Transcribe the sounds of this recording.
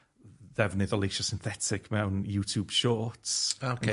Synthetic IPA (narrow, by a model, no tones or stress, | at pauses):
ðɛvnɪðɔlˠeʃɔsɪnθɛtʰɪkʰmɛwnjuːtʰjuːb̥ʃɔːtsokʰ